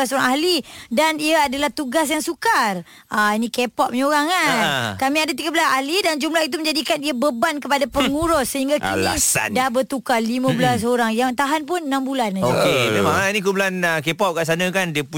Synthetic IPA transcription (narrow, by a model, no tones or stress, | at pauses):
asoɾaŋahlidaniaadalaht̪uɡas̬jaŋsukar | ainĩkepɔʔ̚ɲoɾaŋakamĩadat̪iɡabəlasahlidand͡ʒumlait̪̬umə̃ɲd͡ʒadikaniabəbankəpadapəŋuɾɔsːəɦiŋɡakla̰sa̰dabərt̪ukalimãblas̬oɾaŋjaŋt̪aɦanp̬ʊnənambulanokememaŋainĩkublanəkepɔʔ̚kaʔs̬anə̃kandiəpu